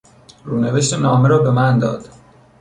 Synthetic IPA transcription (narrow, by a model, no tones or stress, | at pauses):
ɾuːneveʃt̪enɒːmeɾɒːbe̞mænd̪ɒ̰ːd̪̥